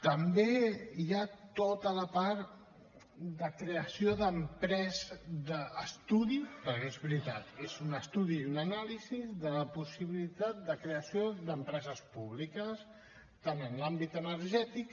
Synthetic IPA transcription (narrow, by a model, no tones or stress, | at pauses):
t̪əmbeiat̪ot̪ələpaɾ | d̪əkɾeəsioðəmpɾɛzd̪əːst̪uðipəɾezβɾit̪at̪ezunəst̪uðiunənalizizðələpusiβilit̪at̪̚d̪əkɾeəsiod̪əmpɾɛzəspuβlikəs | t̪anənlambit̪ənəɾʒɛt̪ik